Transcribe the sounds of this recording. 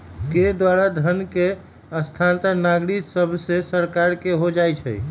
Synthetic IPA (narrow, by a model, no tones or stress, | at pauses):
k̪ed̪waɾad̪ʱənke | əst̪ʰant̪ənaɡɾiksəbʱsẽsəɾkaɾkeɦod͡ʒajt͡ʃʰɛ̰j